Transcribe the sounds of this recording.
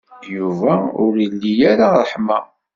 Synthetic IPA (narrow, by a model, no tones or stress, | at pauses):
juvæʊɾilːijaɾaɾˤəħma